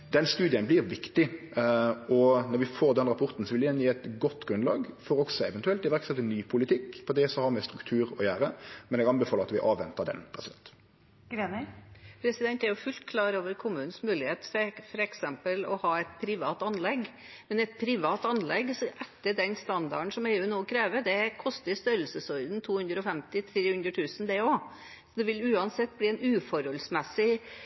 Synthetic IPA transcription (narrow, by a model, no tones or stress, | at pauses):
d̪ɛnst̪ʉːd̪ɪənblɪɾʋɪkt̪ɪ | ɔnɔɾʋɪfoːɾd̪ɛnɾɑpʰɔɾt̪n̩sɔʋɪlɪjɛnjiːɛt̪ɡɔt̪ːɡɾʉnlɑ̰ːɡfɔɾɔksɔɛʋɛnt̪ʉɛlt̪ɪʋæʁksɛt̪ːənyːpʰʊlɪt̪ʰɪkːpʰɔd̪ɛːsɔhɑɾmɛst̪ɾʉkt̪ʰʉːɾɔjæːɾəmɛnɛɡɑnbɛfɑːlʁɾɑt̪ʋɪʔɑːʋɛnt̪əɾd̪ɛ̰npʰɾɛsɪd̪ɛ̰nt̪ | ɡɾenpʰɾɛsɪd̪ɛnt̪æɾjʊfʉlt̪kʰlɑːɾoːʋəɾkʰʊmʉːnn̩smʉːlɪheːt̪ffɔɾɛksɛmpəlɔ̰hɑːɛt̪̚pʰɾɪʋɑːt̪ɑnlɛɡ | mɛnɛt̪̚pʰɾɪʋɑːt̪ɑnlɛɡsɔʔɛt̪ːəɖɛnst̪ɑnd̪ɑɳ̩sɔmɛːʉːnoːkʰɾeːʋəd̪ɛkʰɔst̪əst̪œɾəlsəsɔʏd̪nt̪ʰuːhʉnd̪ɾəɔfɛmt̪ɪt̪ʰɾeːhʉnd̪ɾət̪ʰʉːsn̩d̪ɛoː | sɔd̪ɛʋɪlʉːɑnsɛt̪̚ːbliːɛnʉːfɔɾhɔlsmɛsːɪ